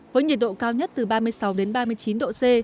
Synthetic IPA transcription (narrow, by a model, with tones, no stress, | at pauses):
vəː˨˦jɲi˨˩t̚ɗo̰˧˨kaː˧wɲə˦˥t̚t̪ɨ˨˩ɓaː˧mɨ˧əjsa˨˦wɗe˨˦nɓaː˧mɨ˧əjt͡ɕi˨˦nɗo̰˧˨se˧